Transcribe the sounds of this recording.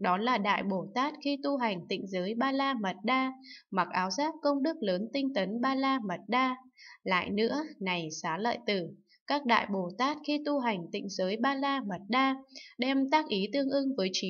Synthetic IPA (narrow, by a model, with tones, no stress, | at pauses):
ɗɔ˨˦laː˨˩ɗa̰ː˧˨jɓo˧˩t̪aː˦˥t̚xi˧t̪u˧ɦa˨˩jŋ̟t̪ḭ˧˨ŋ̟zəː˨˦jɓaː˧laː˧mə˨˩t̚ɗaː˧ma˨˩k̚ʔaː˨˦wzaː˦˥k̚kə˧wŋ͡mɗɨ˦˥k̚ləː˨˦nt̪ï˧ŋ̟t̪ə˨˦nɓaː˧laː˧mə˨˩t̚ɗaː˧la̰ː˧˨jnɨ̰˧˥əna˨˩jsaː˨˦lə̰ː˧˨jt̪ɨ˧˩ | kaː˦˥k̚ɗa̰ː˧˨jɓo˧˩t̪aː˦˥t̚xi˧t̪u˧ɦa˨˩jŋ̟t̪ḭ˧˨ŋ̟zəː˨˦jɓaː˧laː˧mə˨˩t̚ɗaː˧ɗɛ˧mt̪aː˦˥k̚ʔi˨˦t̪ɨ˧əŋʔɨ˧ŋvəː˨˦jt͡ɕi˨˦